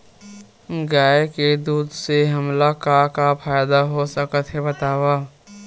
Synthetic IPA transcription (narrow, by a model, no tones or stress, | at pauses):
ɡaːeked̪uːd̪seɦəmlakakapʰaːjd̪aɦosəkət̪ɦebət̪aːba